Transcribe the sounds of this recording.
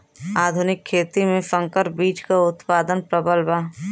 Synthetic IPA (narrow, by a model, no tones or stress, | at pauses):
aːd̪ʱʊnɪkʰːeːt̪imẽsɐ̃ŋkəɾbiːt͡ʃkaʊt̪paːd̪ənpɾəbəlbaː